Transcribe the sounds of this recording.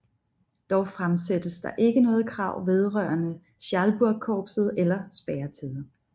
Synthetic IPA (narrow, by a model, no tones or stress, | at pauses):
d̥ɒʊfʁamsed̥əsd̥ɑ̈ʔe̝ɡ̥ənɔ̽ːð̩ˠkʰʁɑ̈ʊ̰ʋe̝ð̞ˠʁɶɐnə | ɕælb̥uɐ̥kʰɒːb̥sð̞̩ˠelɐsb̥æːɐt͡sʰiðˠ